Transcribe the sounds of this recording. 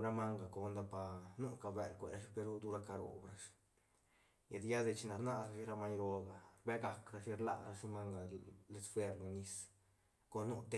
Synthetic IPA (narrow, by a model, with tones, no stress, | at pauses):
ɾa˦ma˦ŋɡa˨ko˧nd̪a˧pa˨nu˦ka˧˨be˨lkʷe˨ɾa˧ʃpe˧ɾu˦d̪u˦ɾa˧ka˧ɾo̰˨bɾa˦ʂ | ja˨d̪ja˦d̪e˧t͡ʃi˧na˨ɾna˧ɾa˧ʃi˦ɾa˧ma˧˦ɲɾo˧ɡa˨ɾbe˦ɡa˨kɾa˧ʃi˦ɾla̰˧˨ɾa˧ʂi˦ma˦ŋɡa˨le˧˦sfwe˧ɾlu˨ni˧s | ko˧nu˦t̪e˦